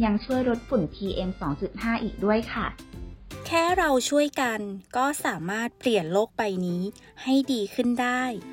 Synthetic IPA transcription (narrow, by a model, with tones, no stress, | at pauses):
ja˧ŋt͡ɕʰu˥˩əjɾo˦˥t̪̚fu˨˩nt̪ʰiː˧ʔe˧msɔː˩˦ŋt͡ɕu˨˩t̪̚haː˥˩ʔiː˨˩k̚du˥˩əjkʰa˥˩ | kʰɛː˥˩ɾa˧wt͡ɕʰu˥˩əjka˧nkɔː˥˩saː˩˦maː˥˩t̪̚pli˨˩ənloː˥˩k̚pa˧jniː˦˥ | ha˥˩jdiː˧kʰɯ˥˩ndaː˥˩j